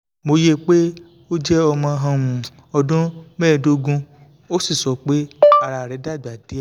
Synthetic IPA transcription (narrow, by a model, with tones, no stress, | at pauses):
mo˧je˦˨k͡pe˦ | o˦d͡ʒɛ˦ɔ˧mã˧ɦã˧mũ˨ | ɔ˧dũ˦mɛ̃ː˦˨do˧ɡũ˧ | o˦si˦˨sɔ˨˦k͡pe˦a˧ɾa˨ɾɛ˨˦da˦˨ɡ͡ba˨di˨˦a˦˨